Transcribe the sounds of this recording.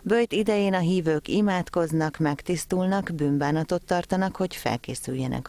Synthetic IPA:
bøjt̪id̪ɛjeːnɒɦiːvøːkimaːt̪ko̞znɒkmɛkt̪ist̪ulnɒkbymbaːnɒt̪o̞t̪ːɒrt̪ɒnɒkho̞cfɛ̰lkeːsyjːɛnɛ̰k

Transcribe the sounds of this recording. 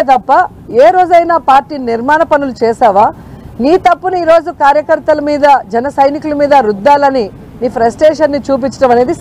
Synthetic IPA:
t̪ɐpːɐ | eːɾo̞ːd͡ʒɐjnaːpaːɾʈiːniɾmaːnɐpɐnulut͡ʃɛːsaːʋaː | niːt̪ɐpːunuiːɾo̞ːd͡ʒukaːɾjɐkɐɾt̪ɐlɐmiːd̪ɐd͡ʒɛnɐsɐjnikulɐmiːd̪ɐɾud̪ːaːlɐni | niːpʰɾesʈeːʂɐnːit͡ʃuːp̬it͡ʃːɐ̥ʈɐmɐneːd̪i

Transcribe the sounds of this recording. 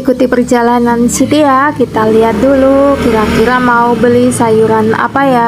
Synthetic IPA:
ikut̪ipərd͡ʒalanansit̪ijakit̪aliɦat̪̚dulukiɾakiɾamaubəlisajuɾana̰paja

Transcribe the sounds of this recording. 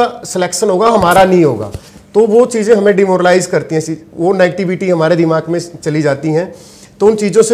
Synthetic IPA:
asɪlɛːkʃənɦoːɡaɦɐmaːɾanɐɦĩɦo̰ːɡa̰ːt̪oʋot͡ʃiːzẽɦɐmẽɖimoːɾəlaːɪzkɐɾt̪iɦɛ̃iʋonɛːɡʈɪʋɪʈiɦɐmaːɾed̪ɪmaːɡmẽt͡ʃɐlid͡ʒaːt̪iɦɛ̃ː | t̪oʊnt͡ʃiːzõse

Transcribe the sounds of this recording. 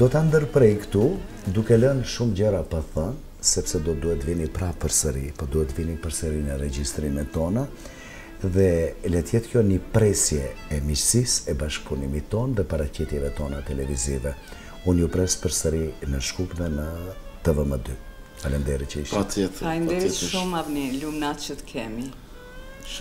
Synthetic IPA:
d̪̥ɔt̪and̪əɾpɾɛjkt̪u | d̪ukɛlənʃumd͡ʑɛɾapaθən | sɛpsɛd̪ɔd̪uhɛt̪vinipɾapəɾsəɾipɔd̪uhɛt̪vinipəɾsəɾinəɾɛd͡ʒist̪ɾinɛt̪ɔna | ðɛlɛt̪jɛt̪kjɔnəpɾɛsjɛɛmit͡ʃsisɛbaʃkpunimit̪ɔnðɛpaɾacit̪jɛvɛt̪ɔnat̪ɛlɛvizivɛ | unupɾɛspəɾsəɾinəʃkupðɛnə | t̪əvəməd̪y | alɛnd̪ɛɾit͡ʃəiʃat̪ɛt̪alnd̪ɛɾiʃumavnilumnat̪t͡ʃət̪ə̥kʰɛmi

